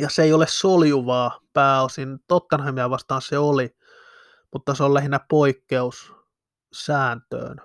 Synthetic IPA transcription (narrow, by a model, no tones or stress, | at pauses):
jɑseeiolessoljuʋɑːpæːosint̪ot̪ːɑnhɑmːiæʋɑst̪ɑːnseoli | mut̪ːɑseollæhinæpoikːeus | sæːnt̪ø̰ːn